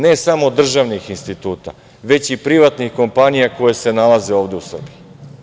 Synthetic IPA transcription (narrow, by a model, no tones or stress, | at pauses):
ne̞samod̪r̩ʒaʋnixinst̪it̪uːt̪a̰ | ʋe̞t͡ɕipɾiʋat̪nixko̞mpanijako̞je̞se̞nalaze̞o̞ːʋd̪eusr̩biji